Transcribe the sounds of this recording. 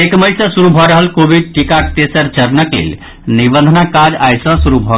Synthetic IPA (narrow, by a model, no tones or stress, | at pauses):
ekməjsə̃suɾubʱɔɾəɦəlkobʱid̪̚ʈikakt̪esəɾt͡ʃəɾnəklḛl | nibə̃nd̪ʱnakad͡ʒajsə̃suɾubʱɔ